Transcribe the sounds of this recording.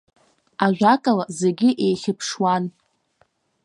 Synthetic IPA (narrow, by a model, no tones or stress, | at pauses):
aʒʲʷᶣakʼalazeɡʲɪʔe̞jχʲɪpʰʂwan